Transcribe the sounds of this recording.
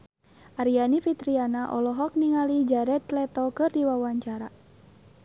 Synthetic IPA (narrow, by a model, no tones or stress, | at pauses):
ʔaɾianifit̪ɾianaʔɔ̰lɔɦɔk̚niŋalid͡ʒaɾɛt̪lɛt̪ɔkɨrdiwawaɲt͡ʃaɾa